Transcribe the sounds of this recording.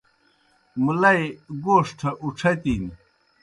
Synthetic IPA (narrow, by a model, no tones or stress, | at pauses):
mulɐjɡoːʂʈʰɐʔuʈ͡ʂʰɐt̪iːn